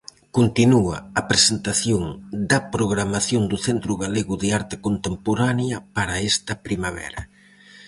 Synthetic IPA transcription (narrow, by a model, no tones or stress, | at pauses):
kont̪inuɐɐpɾesent̪aθjoŋd̪ɐpɾoɣɾamaθjoŋd̪ʊθent̪ɾʊɣaleɣʊðɪaɾt̪ɪ̥kont̪empoɾanjɐpaɾɐɛst̪ɐpɾimaβɛ̰ɾɐ